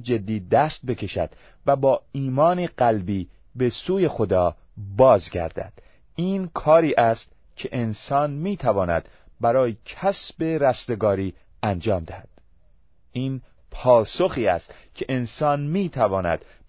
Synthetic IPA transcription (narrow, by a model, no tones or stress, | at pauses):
d͡ʒe̞d̪ːiːd̪æːst̪̚be̞kʰe̞ʃæ̰d̪̥ | væbɒːiːmɒːniɢælbiː | be̞suːje̞xod̪ɒː | bɒːzɡæ̰ɾd̪æ̰d̪̥ | iːnkʰɒːɾiːʔæst̪ | cʰeʔensɒːnmiːt̪ʰævɒːnæ̰d̪̥ | bæɾɒːjecʰæsbe̞ɾæst̪e̞ɡɒːɾiː | ænd͡ʒɒːmd̪æhæd̪̥ | ʔiːn | pʰɒːsoxiːæ̰st̪cʰe̞ʔensɒːnmiːt̪ʰævɒːnæ̰d̪̥